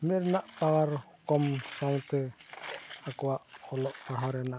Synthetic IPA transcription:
mɛɾnaʔpawaɾ | kɔmsaŋt̪ɛ | akuwaʔhɔlɔʔpaɾɦɔɾɛnaʔ

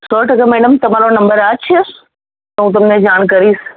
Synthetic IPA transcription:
sɔːʈɐkəmɛːɖəmt̪ɐm̤aːɾonɐ̃mbəɾat͡ɕʰə | t̪ɐɦũːt̪̬ɐmnẽd͡ʒaːɽ̃kɐɾiːs

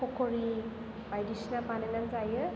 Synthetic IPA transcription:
ɔkʰɔɾi | bajdisnabanenanzajɯ

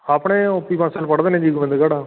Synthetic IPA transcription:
aːpɽ̃ẽːopiːpãsaːlpəɽd̪eːnẽːd͡ʒiːɡʊmẽnd̪eɡaɽãː

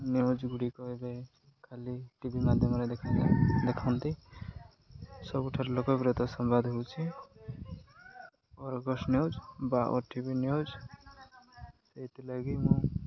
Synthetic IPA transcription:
niod͡ʒɡuɽikɔebe | kʰaliʈibimad̪ʱjəmɾad̪ekʰãlad̪ekʰant̪i | sɔbuʈʰaɾlokɔbɾet̪ɔsɔmbad̪ʱɦout͡ʃʰi | ɔɾɡɔsnjod͡ʒbaʔɔ̰ɾʈibiniod͡ʒ | t̪eit̪elaɡimũ

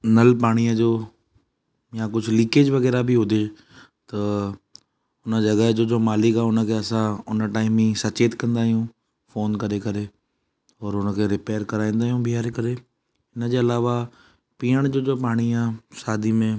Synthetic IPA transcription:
nɐlpaːɽ̃ijəd͡ʑoː | jakʊd͡ʑʱʊlɪ̃keːd͡ʑʋɐɣɛːɾabʱiɦʊd̪eː | t̪ɐ | ʊnə̆d͡ʑɐɣəɦd͡ʑoːd͡ʑoːmaːlɪkaːʊnə̆kʰeːɐsãʊnəʈaːɪmĩsɐt͡ɕeːt̪kɐ̃nd̪aːɦijũ | foːnkɐɾekɐɾe | ɔːɾʊnəkʰeːɾɪpeːəɾkɐɾaːĩːnd̪aːɦijũbʱiɦaːɾekɐɾe | ɪnəd͡ʑeːɐlaːʋa | piːəɽ̃d͡ʑoːd͡ʑoːpaːɽ̃iaːsaːd̪ʱimẽ

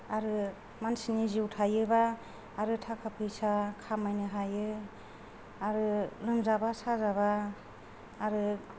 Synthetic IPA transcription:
aɾɯ | mansiniziwtʰajɯbaː | ɾɯtʰakʰapʰɯjsakʰamajnɯɦajɯ | aɾɯlɯmzabasazaβaː | ɾɯ

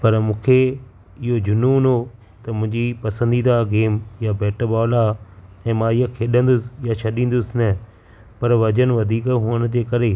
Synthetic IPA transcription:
pɐɾmʊ̃ːkʰe | ɪɦod͡ʑʊnuːno | t̪ɐmʊ̃ɦɪ̃ɲd͡ʑiːpɐsə̃nd̪iːd̪aɡeːmjabɛːʈəbɔːlaɛ̃ːmãːɪɦakʰeːɗə̃nd̪ʊsjat͡ʃʰɐɗĩːn̆d̪ʊsnɛ | pɐɾʋɐd͡ʑənʋɐd̪ʱiːkɦʊːəñd͡ʑeːkɐɾe

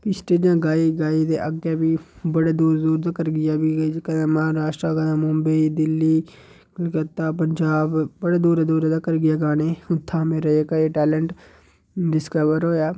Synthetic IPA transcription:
kɪsʈeːd͡ʒãːɡaːiːɡaːiːd̪ḛːʔəɡaːbiːbəɽeːd̪uːɾd̪uːɾd̪aːkəɾɡɪjaːbiːɡd͡ʒkənːməɦaːɾaːʃʈɾaːɡanãːmʊmbəiːd̪ɪlːiː | kət̪ːaːpəɲd͡ʒaːbbəɽeːd̪uːɾd̪uːɾd̪aːkəɾɡɪjaːɡaːneːʊt̪ʰːãːmẽːɾəekəeːʈɛːləɳʈ | ɖɪskəʋəɾɦoːjaː

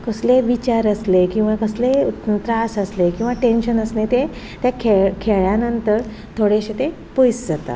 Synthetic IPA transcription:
kəsleʋit͡ɕaɾəslekĩw̃ʋakəslet̪ɾasəslekĩw̃ʋaʈenɕənəsnet̪e | t̪jakʰekʰeɭjanənt̪əɾ | t̪ʰoɽeɕet̪e | pujsd͡zat̪a̰

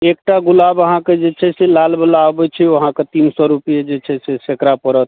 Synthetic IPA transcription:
ek̚ʈaɡulabəɦãked͡ʒet͡ʃʰɛselalbəlaobɛt͡ʃʰɛʋoɦãket̪insɔɾupijed͡ʒet͡ʃʰɛsesekɾapəɾət̪

